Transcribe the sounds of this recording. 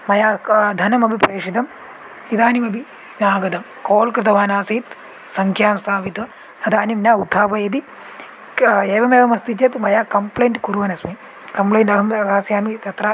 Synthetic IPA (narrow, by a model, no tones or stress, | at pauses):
mɐjaːd̪ʱɐnɐmɐbʱipɾeːʂit̪ɐm | it̪aːnimɐbʱi | naːɡɐd̪ɐm | koːlkɾɪt̪ɐʋaːnaːsiːt̪ | sɐŋkʰjaːmst̪ʰaːʋit̪ʋɐ | ɐd̪ʱaːnimnʲaːud̪ʱːaːpɐjɐd̪i | eːʋɐmeːʋɐmɐst̪it͡ʃɐt̪mɐjaːkɐmplejɳʈkuɾʋɐnɐsmi | kɐmplɐjɳʈɐɦɐmɐt̪aːsjaːmit̪ɐt̪ɾɐ